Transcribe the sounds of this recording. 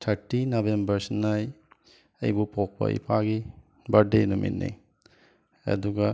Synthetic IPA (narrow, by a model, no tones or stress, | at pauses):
tʰɐɾtinobembɐɾsnaj | ɐ̰jbupok̚pɐ̰ḭpʰaɡi | bɐɾdenumḭt̚nḭ | ɐ̰duɡɐ